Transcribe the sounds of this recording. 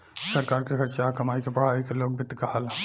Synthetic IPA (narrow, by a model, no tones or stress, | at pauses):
sɐɾkaːɾkexɐʈt͡ʃakɐmaːikepɐɽ̤aːikeloːɡ̚bɪt̪kaɦal